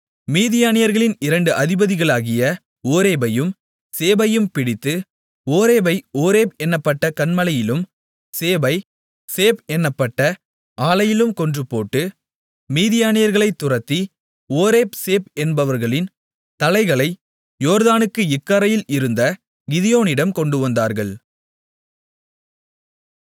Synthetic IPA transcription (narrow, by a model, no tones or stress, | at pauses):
miːðɪjaːnɪjɐɾɣɐɭɪnɪɾɐɳɖɯʔɐðɪbɐðɪɣɐɭaːɣɪjɐ | oːɾeːbɐjɯm | seːbɐjɯmpɪɽɪt̪ːɯ | oːɾeːbɐɪoːɾeːpɛnːɐpːɐʈːɐkɐnmɐlɐjɪlɯm | seːbɐɪ | seːpɛnːɐpːɐʈːɐ | ʔaːlɐjɪlɯmkɔndrɯpːo̰ːʈːɯ | miːðɪjaːnɪjɐɾɣɐɭɐɪt̪ːʊrɐt̪ːi | oːɾeːpseːpɛnbɐʋɐɾɣɐɭɪn | t̪ɐlɐɪɣɐɭɐɪ | joːɾðaːnɯkːɯɪkːɐɾɐjɪlɪɾɯnd̪ɐ | ɡɪðɪjoːnɪɽɐmkɔɳɖɯʋɐnd̪aːɾɣɐɭ